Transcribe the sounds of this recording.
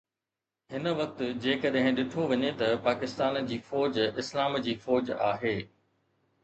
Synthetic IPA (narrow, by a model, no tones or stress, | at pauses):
ɦɪnə̆ʋɐk̚t̪ʊd͡ʑeːkɐɗɦɪ̃ɗɪʈʰoʋɐɲet̪ɐpaːkɪst̪aːnd͡ʑiːfɔːd͡ʑɪslaːmd͡ʑiːfɔːd͡ʑa̰ːɦeː